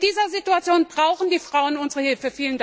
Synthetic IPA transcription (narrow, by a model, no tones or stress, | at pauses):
d̥iːzɐzituat͡sjoːnbʁaʊxn̩diːfʁ̥aʊənʊnzəʁəhɪlfəfiːlənd